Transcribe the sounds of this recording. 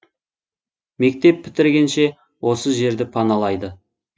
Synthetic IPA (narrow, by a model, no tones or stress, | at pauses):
me̞k̚t̪e̞pʰːɪ̥t̪ɪɾɡʲe̞nʃe̞ | wo̞səʒe̞ɾd̪ɪpʰɑnɑlˠɑjd̪ə